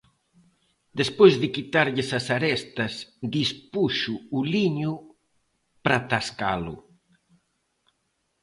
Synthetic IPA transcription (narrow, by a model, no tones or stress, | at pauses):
d̪espojzðɪkit̪aɾʎɪsasaɾɛst̪ɐsðispuʃʊːliɲʊ | pɾat̪askalʊ̰